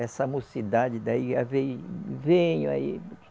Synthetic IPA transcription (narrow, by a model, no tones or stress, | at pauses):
ɛsɐmosid̪ad͡ʒɪd̪aiavejvẽɲʊa̰i